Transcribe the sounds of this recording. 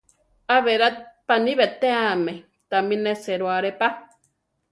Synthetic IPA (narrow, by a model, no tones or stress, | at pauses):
aβeɾat̪̚paniβet̪eame | t̪amineseɾwaɾepa